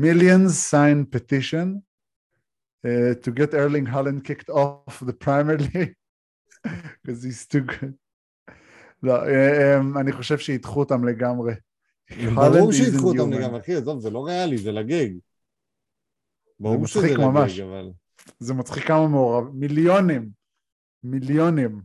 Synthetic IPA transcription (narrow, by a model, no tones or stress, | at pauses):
miljõnzsãjnpetiʃõn | etuɡɛtɛɹlĩŋɦalãnd̚kiktɔfðəpɹajmɛɹli | kɔzhiz̥tuɡud̚ | loʔeemaniχo̞ʃevʃeitχuotamleɡamʁe | halãuʃiizuot̪amleɡamʁeaχiazovzeloʁealizelaɡeɡ | baumaʃχikmamaʃava̰l | zemat͡sχikːamameoʁavmiljonimː | iljonim